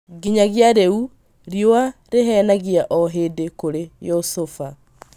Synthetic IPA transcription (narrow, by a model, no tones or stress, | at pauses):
ɡiɲaɣjaɾeu | ɾjoaɾeɦɛnaɣiaʔɔɦedekoɾejosofa